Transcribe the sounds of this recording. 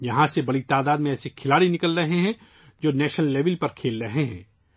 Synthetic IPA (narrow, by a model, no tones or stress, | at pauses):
jɐɦãsebɐɽit̪aːd̪aːd̪mẽɛːsikʰɪlaːɽinɪkəlɾɐɦeɦɛ̃ | d͡ʒoːnɛːʃnəlːeːʋɪlpɐɾkʰeːlɾɐɦeɦɛ̰̃ː